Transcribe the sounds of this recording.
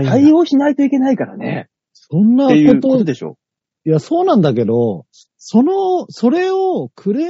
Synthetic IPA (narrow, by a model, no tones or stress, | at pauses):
kaioːɕinait̪o̞ike̞naikaɾa̰nḛ | sõ̞nːakott̪ood̪eɕo̰ | jaso̞ːnãnd̪ak̬e̞d̪o̞ | so̞noso̞ɾe̞okʰɯ̟ɾe